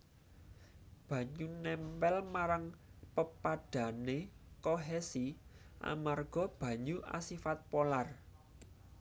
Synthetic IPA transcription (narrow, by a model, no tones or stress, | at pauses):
b̥ä̤ɲunɛmpɛlmaɾaŋpəpaɖ̥a̤nekoɦɛsi | ʔa̰marɡ̥ɔ̤b̥ä̤ɲuʔa̰sifat̪̚polar